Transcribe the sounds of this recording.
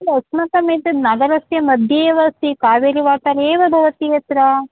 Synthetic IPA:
lɐsmɐt̪ɐmeːt̪id̪nɐɡɐɾɐsjɐmɐd̪ʱjeːʋɐsikaːʋeɾiʋaːʈɐɾeːʋɐbʱɐʋɐt̪ijɐt̪ɾa

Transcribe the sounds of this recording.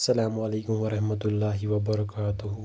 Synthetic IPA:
sɐlaːmɐleːkʊmʋɐɾɐhmɐt̪ʊlːaːɦɪwɐbɐɾˤɐkaːt̪ʊɦ

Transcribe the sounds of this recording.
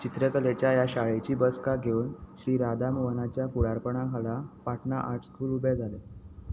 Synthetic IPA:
t͡ɕit̪ɾəkəlet͡ɕjajaɕaɭet͡ɕiːbəskaɡʱeuːnɕɾiːɾad̪amuʋənat͡ɕjakuɽaɾpəɳakalapaʈʰnaʔaʈʰskʰuːlubed͡zʱale

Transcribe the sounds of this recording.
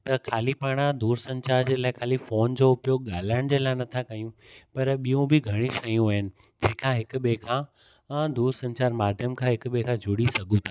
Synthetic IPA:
t̪ɐkʰaːlipaːɽ̃ad̪uːɾsɐ̃ɲt͡ɕaːɾd͡ʑeːlaːɪkʰaːlifoːnd͡ʑoʊpjoɠaːl̤aəɽ̃d͡ʑeːlaːɪnɐt̪ʰakɐjũ | pɐɾɓijũbɪɡʱɐɽ̃iʃɐjũaːɦɪnɪ̆ | d͡ʑẽːkʰãːɦɪkʊ̆ɓekʰãː | d̪uːɾsɐ̃ɲt͡ɕaːɾmaːd̪ʱjəmkʰãːɦɪkɓekʰãd͡ʑʱʊɽisɐɡʱũt̪ʰaː

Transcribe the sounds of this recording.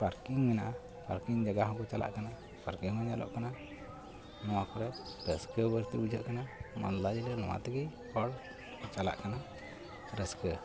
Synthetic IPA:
paɾkiŋminaʔ | pa̰ɾkiŋd͡ʒaɡaɦɔ̃kɔt͡ʃala̰ʔkana | paɾkiŋmaɲalɔ̰ʔkana | nɔwakɔɾɛɾəskəbəɾt̪ibud͡ʒʱəʔkanama̰nd̪lad͡ʒilənɔ̰wa̰t̪əɡi | pɔɽ | t͡ʃala̰ʔkana | ɾəskə

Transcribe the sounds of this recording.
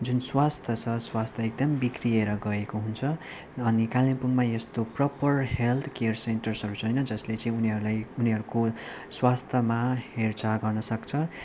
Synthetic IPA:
d͡zunswast̪ʰʌt͡sʰʌswast̪ʰʌek̚d̪ʌmbikrieɾʌɡʌekoɦunt͡sʰʌː | nikalimpuŋmaest̪oprʌpʌrɦelt̪ʰkeʌrsenʈʌrsʌɾut͡sʰʌjnʌd͡zʌslet͡sʌ̃ĩuniɦʌɾulajuniɦʌɾuko | swast̪ʰʌmahert͡saɡʌrnʌsʌkt͡sʰʌ

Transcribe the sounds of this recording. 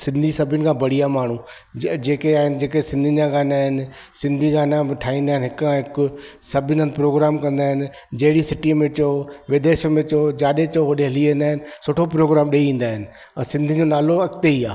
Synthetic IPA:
sɪ̃nd̪ʱisɐbʱənɪ̆kʰãbɐɽ̤iamaːɳ̤ũ | d͡ʑeːkeaːɦɪnd͡ʑeːkesɪ̃nd̪ʱɪd͡ʑaɡaːnaːɦɪnɪ̆ | sɪ̃nd̪ʱiɡaːnamɪʈʰaːĩːnd̪aːɦɪnɪɦɪkkʰãɦɪkʊ | sɐbʱɪnənɪ̆pɾoːɡɾaːmkɐ̃nd̪aːɦɪnɪ̆ | d͡ʑɐɦɪɽisɪʈimẽt͡ɕoʋɪd̪eːʃmẽt͡ɕod͡ʑaːɗet͡ɕoɦoɗeɦɪliʋẽːn̆d̪aːɦɪnɪ̆sʊːʈʰopɾoːɡɾaːmɗeiĩːn̆d̪aːɦɪnɪ̆̃ | sɪ̃nd̪ʱid͡ʑonaːloɐkt̪eiaː

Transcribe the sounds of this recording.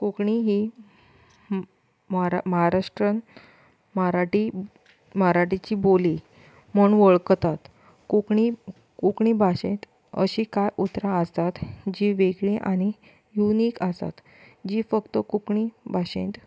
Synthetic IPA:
kukɳiɦi | ɾməɦaɾaʂʈɾən | mɾaʈi | maɾaʈit͡ɕiboli | məɳʋəɭkt̪at̪ | kukɳi | kukɳibʱaɕẽt̪ | ə̰ɕikajʔut̪ɾaəst̪at̪d͡ʑiʋeɡɭĩʔa̰ɽ̃i | juniːkəst̪a̰t̪ | d͡ʑiːfəkt̪əkukɳibʱaɕḛ̃nt̪

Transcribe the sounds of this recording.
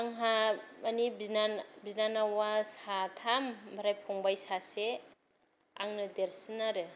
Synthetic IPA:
aŋɦaanibinanbiznanawasatʰambʱaɾajpʰɔŋbajsase | a̰ŋnɯdeɾsɯnaɾɯ

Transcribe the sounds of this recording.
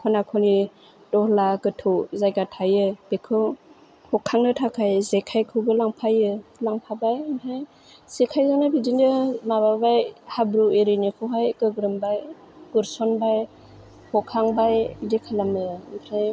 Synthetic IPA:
kʰɔnakʰɔli | dɔhlaɡɯtʰɔzajɡatʰajɯb̥ekʰɯw | hɔkʰaŋnɯtʰakʰajzekʰajkʰɯɡɯlaŋpʰajɯlaŋpʰabajnɦaj | z̥ekʰajzanabidindɯmaβabajhabɾueɾinikʰɯɦajɡɯɡɾɯmbaj | ɡ̥uɾsɔnbaj | hɔkʰaŋbajdikʰalamɯmpʰɾaj

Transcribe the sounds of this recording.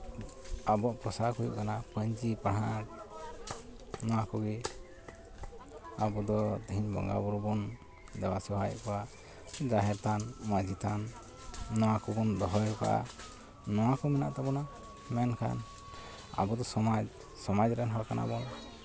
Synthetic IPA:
abɔʔpɾɔsahujṵʔkanapəɲd͡ʒipaɽak | nɔwakɔɡi | abɔd̪ɔd̪ʱiɲbɔ̰ŋɡa̰bɔɾbɔn | d̪ɛwasiɦajɔ̰ʔkɔwa | d͡ʒaɦɛɾt̪anmad͡ʒit̪ʰanː | ɔwakɔbɔnd̪ɔɦɔjka̰ʔa̰ | nɔwakɔmɛna̰ʔt̪ɛbɔna | mɛnkʰa̰n | a̰bɔd̪ɔsɔma | sɔmad͡ʒɾɛnɦɔɾkana̰bɔn

